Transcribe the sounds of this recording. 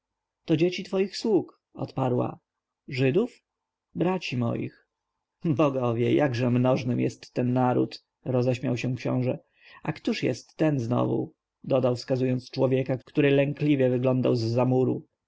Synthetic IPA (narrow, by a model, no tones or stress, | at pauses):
t̪ɔd͡ʑet͡ɕit̪fɔjixswuk | ɔ̰t̪paɾwa̰ | ʐɘd̪uf | bɾat͡ɕimɔ̰jḭx | bɔɡɔvʲjɛjaɡʐɛmnɔʐnɘmjɛst̪ːɛnːaɾṵt̪ | ɾɔzɛɕmʲjawɕɛ̃kɕɔ̰̃w̃ʐɛ | ʔakt̪uʂjɛ̰st̪ːɛnznɔ̰vṵ | d̪ɔd̪awfskazujɔnt̪st͡ʂwɔvʲjɛkakt̪uɾɘlɛŋklʲivʲjɛvɘɡlɔnd̪awzːamuɾṵ